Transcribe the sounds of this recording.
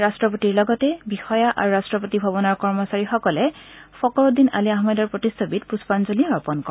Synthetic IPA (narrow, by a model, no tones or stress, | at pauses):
ɹastɹɔpotiɹlɔɡɔtɛbixɔjaʔa̰ɹuɹastɹɔpotibʱabɔnaɹkɔɹmɔsaɹixɔkɔlɛfɔkɔɹodina̰liaɦmedɔɹpɹɔtistʰobitpuspanzoliɔɹpɔnkɔ